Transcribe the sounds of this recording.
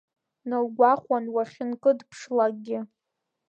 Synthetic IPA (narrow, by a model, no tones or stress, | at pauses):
nɨlɡʷaχʷanwaχʲɪnkʼɨdpʰʂlak̚ʼɡʲɪ